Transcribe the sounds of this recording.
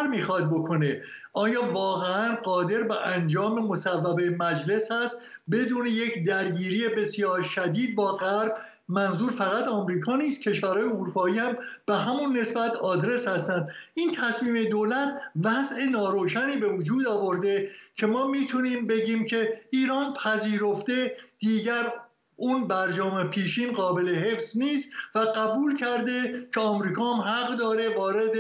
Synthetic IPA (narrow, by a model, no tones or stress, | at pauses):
ɾmiːxɒd̪̚bo̞kʰo̞ne̞ | ɒːjɒːvɒːɣeænɢɒːd̪e̞ɾbæʔænd͡ʒɒːme̞mo̞sævːæbemæd͡ʒle̞shæst̪be̞d̪uːne̞je̞cʰd̪æɾɟiːɾije̞be̞sjɒːɾʃæd̪iːd̪̚bɒːɣæɾb | mænzuːɾfæɣæt̪ʰɒːmɾiːkʰɒːniːst̪̚cʰe̞ʃvæɾhɒːjeuɾuːpʰɒːiːhæmb̥eɦæmunːe̞sbæt̪ʰɒːd̪ɾe̞shæst̪ænd̪ʔiːnt̪ʰæsmiːme̞d̪oːlæt̪ʰvæze̞nɒːɾoːʃæniːbe̞vod͡ʒuːd̪ɒːvo̞ɾd̪e̞cʰe̞mɒːmiːt̪ʰuniːmbe̞ɟiːmcʰe̞iːɾɒːnpʰæziːɾo̞fd̪e̞d̪̥iːɟæɾ | unbæɾd͡ʒɒːmepʰiːʃiːnɢɒːbe̞le̞he̞fz̥niːst̪væɡæbuːlcʰæɾd̪e̞cʰeɒːmɾiːkʰɒːhæmɦæɣd̪ɒːɾe̞vɒːɾe̞d̪